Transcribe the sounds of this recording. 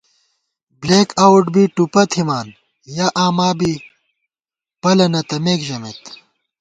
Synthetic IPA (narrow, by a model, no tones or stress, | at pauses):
bleːkaːwuʈbiʈupɐt̪ʰimaːn | jaʔaːmaːbi | pɐlɐnɐt̪ɐmeːkʑɐmet̪